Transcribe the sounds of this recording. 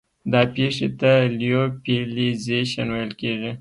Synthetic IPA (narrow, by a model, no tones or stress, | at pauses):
d̪ɑpeʂet̪alijopelizeʃanwajəlkeʐi